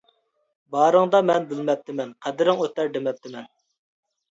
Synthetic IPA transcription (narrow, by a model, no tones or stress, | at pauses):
bɑːɾəŋd̪ɑmɛnbɪlmɛp̚t̪ʰɪmɛnqʰæd̪ɪɾɪŋøt̪ːæɾd̪emɛp̚t̪ʰɪmɛn